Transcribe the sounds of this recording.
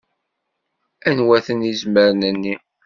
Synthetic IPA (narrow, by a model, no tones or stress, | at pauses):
ænwæθənizməɾənənːi